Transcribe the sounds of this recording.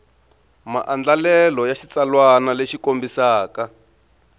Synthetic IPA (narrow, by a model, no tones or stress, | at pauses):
ma̰ʔand͡ɮalɛlɔjaʃit͡salwanaleʃikombisaːka